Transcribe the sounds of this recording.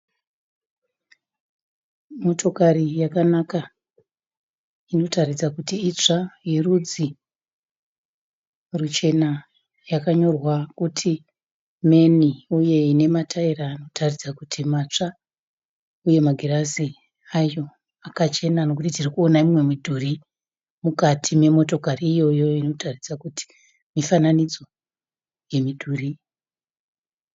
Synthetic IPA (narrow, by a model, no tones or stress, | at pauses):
mo̞tʰo̞karijakanaka | ino̞tarid͡zakutiːt͡ʂajerud͡zi | rut͡ʃe̞na | jakaɲo̞rwakutʰi | me̞niuje̞ine̞matʰairaːno̞tʰarid͡zakutʰimat͡ʂa | uje̞maɡʱerazi | ajo̞ | akat͡ʃe̞nano̞kutitirikuo̞naimwe̞midʱuri | mukatʰime̞mo̞to̞kariːjo̞jo̞ino̞tarid͡zakuti̥ | mifananid͡zo̞ | je̞midʱuri